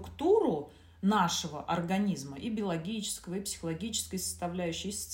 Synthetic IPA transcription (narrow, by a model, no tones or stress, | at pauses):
kt̪uɾʊ | naʂəvəʔɐrɡɐnʲizməʔibʲɪəlˠɐɡʲit͡ɕɪ̥skəvəipsʲɪ̥xəlˠɐɡʲit͡ɕɪ̥skəjsə̥st̪ɐvlʲæjʉɕːɪjsʲt̪